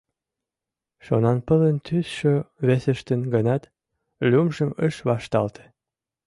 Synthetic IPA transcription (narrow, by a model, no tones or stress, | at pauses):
ʃonɑnpələnt̪ysʃøβesə̆ʃt̪ənɡənɑt̪ | lʲumʒəmə̰ʃβɑʃt̪ɑlt̪ʰe̥